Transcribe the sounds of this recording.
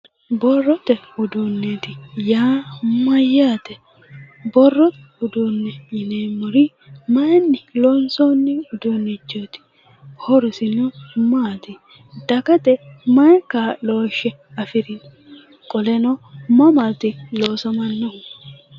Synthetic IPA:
bɔrːɔt̪ɛhʊd̪uːnːɛt̪ɪjaːmɐjːaːt̪ɛ | bɔrːɔt̪hʊd̪unːɛjɪneːmːɔɾi | mɐnːɪlɔnsonːɪhʊd̪unːɛd͡ʒot̪ɪ̥ | hɔɾɪsɪnɔmaːt̪ɪ | d̪̥ɐkɐt̪ɛmɐkaːloːʃɛ | ɐfɪɾɪn | kʼɔlɛnɔmɐmɐt̪ɪloːsɐmɐnːɐhʊ

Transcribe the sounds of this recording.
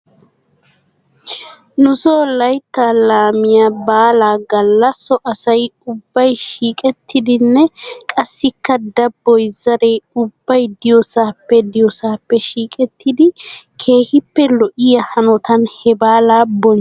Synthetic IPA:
nʊsoːlɐjt̪ːaːlaːmɪjabaːlaːɡɐlːɐsːɔʔɐsɐjʊbːɐjʃiːkʼɛt̪ːɪd̪ɪnːɛkʼɐsːɪkːɐd̪ɐbːɔjzɐɾejʊbːɐjd̪ɪjɔsaːpːɛd̪ɪjɔsaːpːɛʃiːkʼɛt̪ːɪd̪ɪkʰe̞ːhɪpːɛlɔʔɪjɐhɐnɔt̪ɐnhɛbaːlaːbɔn

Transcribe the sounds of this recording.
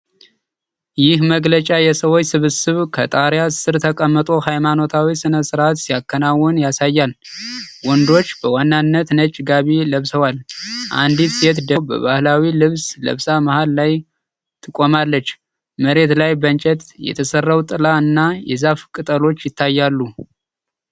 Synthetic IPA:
jɪhməɡlət͡ʃʼajɛsəwo̞t͡ʃːsɨβɨsɨβkʰət̪ʼaɾjasɨɾt̪ʰəkʼəmːət̪ʼo̞hajmano̞t̪ʰawisɨnəsɨɾat̪sijakʰːənawːɔnjasajːal | wɔnd̪o̞t͡ʃːbəwanːanːət̪nət͡ʃʼːɡaβiləβsəwalʔa̰nd̪it̪se̞t̪d̪əbə̰βahlawilɨβslə̰βsamahalːaj | t̪ʰɨkʼːo̞malːət͡ʃː | məɾe̞t̪lajbənt͡ʃʼɛt̪jɛ̰t̪ʰəsərːawt̪ʼɨlaɨnːajɛzafkʼɨt̪ʼəlo̞t͡ʃːjɪt̪ʰːajːalːu

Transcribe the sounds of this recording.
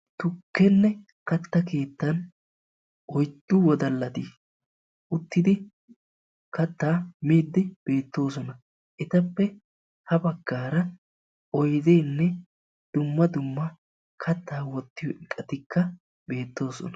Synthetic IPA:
t̪ʊkːɛnːɛ | kɐt̪ːɐke̞ːt̪ːɐn | ɔjd̪ːʊwɔd̪ɐlːɐt̪i | ʔʊt̪ːɪd̪ɪ | kɐt̪ːaːmiːd̪ːɪb̥e̞ːt̪ːo̞ːs̬ɔnɐ | ʔɛt̪ɐpːɛ | hɐbɐɡːaːɾɐ | ʔɔjd̪ɛjnːɛ | d̪̥ʊmːɐd̪ʊmːɐ | kʰɐt̪ːaːwɔt̪ːɪjɔʔɪkʼːɐt̪ɪkːɐ | be̞ːt̪ːo̞ːsɔ̰nɐ̥

